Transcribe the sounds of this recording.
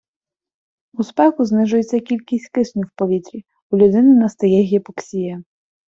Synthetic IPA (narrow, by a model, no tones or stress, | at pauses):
uspɛkʊznɪʒʊjet͡sʲːɐkʲilʲkʲisʲtʲkɪsnʲuwpɔʋʲit̪ɾʲi | ʊlʲʊd̪ɪnɪnɐst̪ɐjɛɦʲjɛpɔksʲijɛ